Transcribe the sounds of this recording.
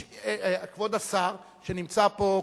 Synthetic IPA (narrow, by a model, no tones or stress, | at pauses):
kvod̪asaʁ | ʃenimt͡sapo̞